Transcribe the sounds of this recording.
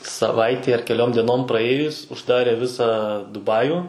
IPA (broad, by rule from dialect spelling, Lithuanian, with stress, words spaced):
sɐˈʋɐɪtʲɛɪ ɐr kʲɛˈlʲoːm dʲiɛˈnoːm prɐˈeːjʊs ʊʒˈdɑːrʲeː ˈʋʲɪsɑː dʊˈbɑːjʊ